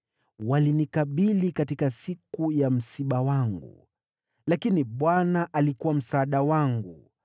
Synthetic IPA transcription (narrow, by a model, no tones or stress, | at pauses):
walinikaɓilikatikasikujam̩siɓawaŋɡṵ | lakiniɓwanaʔalikuwam̩saːɗawaŋɡu